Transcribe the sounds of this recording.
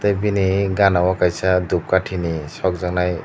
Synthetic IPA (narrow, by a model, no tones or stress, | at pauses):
t̪ɯjbiniɡanawakajsad̪up̚kaʈʰinisɔk̚zaŋnaj